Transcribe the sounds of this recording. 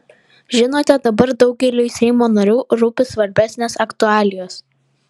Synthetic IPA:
ʒʲɪnoːt̪ʲɛd̪ɐbɐɾd̪ɒʊɡ̚ɡʲɛlʲuːɪsʲɛɪmoːnɐɾʲuːɾʊpʲɪsʋɐɾʲbʲæsʲnʲeːsɐkt̪ʊɑːlʲɪjoːs

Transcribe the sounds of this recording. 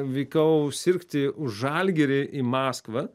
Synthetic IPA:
ʋʲɛɪkɐʊsʲɪɾʲkt̪ʲɪʊʒʒɑlʲɡʲɛɾʲɪʔimɑːskʋɐ

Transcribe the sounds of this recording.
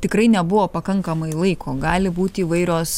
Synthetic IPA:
t̪ʲɪkɾɐɪnʲɛbʊʋoːpɐkɐŋkɐmɐɪlˠɐɪkʰoːɡɑːlʲɪbuːt̪ʲiːʋɐɪɾʲoːs

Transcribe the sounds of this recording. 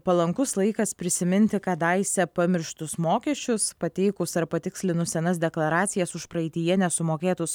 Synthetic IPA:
pɐlˠɐŋkʊslˠɐɪkɐspʲɾʲɪsʲɪmʲɪnʲt̪ʲɪkɐt̪ɑɪsʲɛpɐmʲɪɾʲʃt̪ʊsmoːkʲɛʃʲt͡ʃʲʊspɐt̪ʲɛɪkʊsɐɾpɐt̪ʲɪksʲlʲɪnʊsʲɛnɐs̬d̪ʲɛklˠɐɾɑːt̪sʲɪjɛsʊʃpɾɐɛɪt̪ʲɪjɛnʲɛsʊmoːkʲeːt̪ʊs

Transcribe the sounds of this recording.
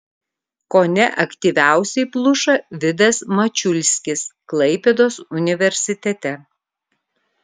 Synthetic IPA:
konʲɛʔɐkt̪ʲiʋʲæˑʊsʲɛɪplˠʊʃɐʋʲɪd̪ɐsmɐt͡ʃʲʊlʲsʲkʲɪsklˠɐɪpʲɛd̪oːsʊnʲɪʋʲɛɾʲsʲɪt̪ʲɛt̪ʲɛ

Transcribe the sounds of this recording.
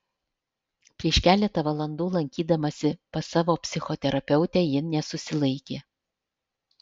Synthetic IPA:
pʲɾʲiɛʃkʲæːlʲɛt̪ɐʋɐlˠɐnd̪uːlˠɐŋʲkʲiːd̪ɐmɐsʲɪpɐsɑːʋoːpʲsʲɪxɔt̪ʲɛɾɐpʲɛʊt̪ʲæːjɪnʲɛsʊsʲɪlˠɐɪkʲeː

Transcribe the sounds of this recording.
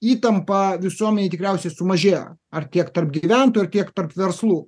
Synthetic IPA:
iːt̪ɐmpɐʋʲɪsuɔmʲɛnʲeɪt̪ʲɪkɾʲɛʊsʲɛsʊmɐʒʲeːjo̰ɐrt̪ʲiɛkt̪ɐrp̚ɡʲiʋʲænt̪oːjɐɾt̪ʲiɛkt̪ɐrpʋʲɛɾslˠuː

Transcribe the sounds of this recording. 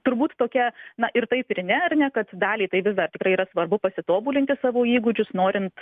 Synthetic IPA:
t̪ʊɾbuːt̪t̪oːkʲɛnɐʔɪrt̪ɐɪpɪɾʲnʲɛɐrnʲɛkɐt̪d̪ɑːlʲiːt̪ɐɪʋʲɪsd̪ɐrtʲɪkɾɐɪiɾɐsʋɐrbʊpɐsʲɪt̪oːbuːlʲɪnʲt̪ʲɪsɑːʋoːiːɡʊd͡ʒʲʊsnoːɾʲɪnt̪

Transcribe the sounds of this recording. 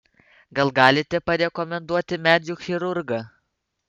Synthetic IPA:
ɡɐlˠɡɑːlʲɪt̪ʲɛpɐɾʲɛkɔmʲɛnd̪uɔt̪ʲɪmʲæːd̪ʲuːxʲɪɾʊɾɡɐ

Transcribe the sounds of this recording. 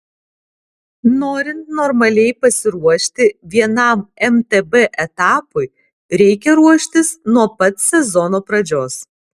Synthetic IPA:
noːɾʲɪnt̪nɔɾmɐlʲɛɪpɐsʲɪɾuɔʃʲt̪ʲɪʋʲiɛnɐˑmɛmt̪ɛbɛʔɛt̪ɑːpʊɪ | ɾʲɛɪkʲɛɾuɔʃʲt̪ʲɪsnuɔpɐt̪sʲɛzɔnoːpɾɐd͡ʒʲoːs

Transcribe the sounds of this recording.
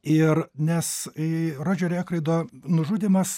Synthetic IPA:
ɪrnʲɛsɾoːd͡ʒʲoːɾʲɛːkɾɐɪd̪oːnʊʒuːd̪ʲimɐs

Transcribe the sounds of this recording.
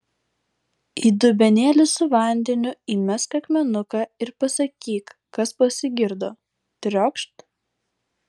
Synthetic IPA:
iːd̪ʊbʲɛnʲeːlʲɪsʊʋɐˑnʲd̪ʲɛnʲʊiːmʲɛskɐkʲmʲɛnʊkɑɪɾpɐsɐkʲiːk | kɐspɐsʲɪɡʲɪɾd̪oː | t̪ʲɾʲɔkʃt̪

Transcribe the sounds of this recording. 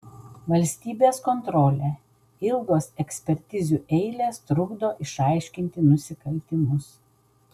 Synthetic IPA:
ʋɐlʲsʲt̪ʲiːbʲeːskɔnt̪ɾɔːlʲe | ɪlˠɡoːsɛksʲpʲɛɾʲt̪ʲɪzʲuːʔɛɪlʲeːst̪ɾʊɡd̪oːʔɪʃɑˑɪʃʲkʲɪnʲt̪ʲɪnʊsʲɪkɐlʲt̪ʲɪmʊs

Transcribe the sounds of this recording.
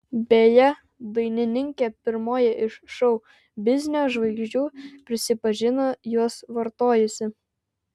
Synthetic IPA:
bʲeːjɛ | d̪ɐɪnʲɪnʲɪŋʲkʲepʲɪɾmoːjɛʔɪʃʃɔʊ | bʲɪzʲnʲɪoːʒʋɐɪɡʒʲd͡ʒʲuːpʲɾʲɪsʲɪpɐʒʲɪnojuɔsʋɐɾt̪oːjʊsʲɪ

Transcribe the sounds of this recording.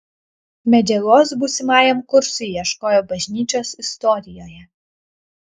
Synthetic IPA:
mʲɛd͡ʒʲɛloːs̬buːsʲɪmɑːjɛmkʊɾsʊjɛʃkoːjoːbɐʒʲnʲiːt͡ʃʲoːsɪst̪ɔɾʲɪjoːjɛ

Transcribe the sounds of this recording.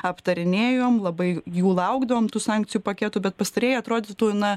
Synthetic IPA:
ɐpt̪ɐɾʲɪnʲeːjoːmlˠɐbɐɪjuːlˠɐʊɡd̪ɐʋoːmt̪uːsɑːˑŋk̚t͡s̪ʲɪjuːpɐkʲæːt̪ʊbʲɛt̪̚pɐst̪ɐɾʲeːjɪɐt̪ɾoːd̪ʲet̪uːɪnɐ

